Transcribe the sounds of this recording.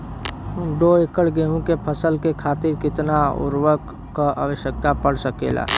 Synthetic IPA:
ɖoɪkəɽɡeːɦũkepʰəsəlkekʰaːt̪ɪɾkɪt̪naʊ̰ɾʋək | kaʔa̰ːʋəʃjək̚t̪apəɽ̤səkḛːla̰ː

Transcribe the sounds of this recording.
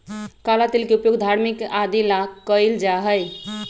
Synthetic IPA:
kalat̪ilkeupjoɡd̪ʱaɾmikad̪ilakəjld͡ʒaɦəj

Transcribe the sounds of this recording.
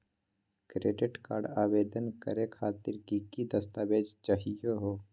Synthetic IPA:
kɾeːɖɪʈkaːɾɖaːʋeːd̪ənkə̰ɾekʰaːt̪ɪɾkikid̪əst̪aːbeːd͡ʒt͡ʃaɦijoɦoː

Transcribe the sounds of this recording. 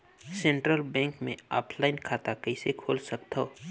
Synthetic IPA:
sẽːɳʈɾəlbɛ̃ːŋkmḛ̃a̰ːpʰlaɪnkʰaːt̪akəɪsekʰoːlsɐk̚t̪a

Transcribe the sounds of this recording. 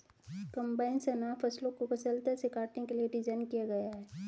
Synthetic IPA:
kɐ̃mbaːɪnsənaːpʰɐslõkokɐsəlt̪əsekaːɾʈnekelieɾid͡ʒənkijaɡɐjaɦɛː

